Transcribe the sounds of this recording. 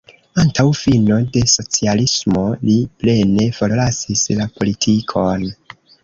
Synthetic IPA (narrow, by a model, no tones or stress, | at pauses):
antawfino̞de̞so̞t͡sialismo̞liple̞ne̞fo̞ɾlasislapʰo̞litʰikʰo̞n